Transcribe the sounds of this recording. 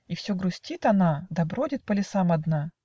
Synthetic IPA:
ifsʲoɡɾʊsʲtʲit̪ɐnad̪ɐbɾodʲɪt̪̚pəlʲɪsamɐd̪na

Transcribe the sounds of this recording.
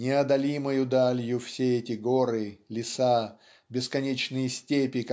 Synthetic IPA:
nʲɪɐd̪ɐlʲiməjʊd̪alʲjʊfsʲeɛtʲɪɡoɾɨlʲɪsa | bʲɪskɐnʲet͡ɕnɨjəsʲtʲepʲɪk

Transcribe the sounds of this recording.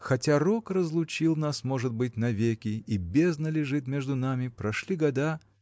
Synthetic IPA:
xɐtʲarokrəzlˠʊt͡ɕilˠnasmoʐɨt̪̚bɨt̚ʲnɐvʲekʲɪibʲeznəlʲɪʐɨt̪mʲe̞ʐd̪ʊnamʲɪpɾɐʂlʲiɡɐd̪a

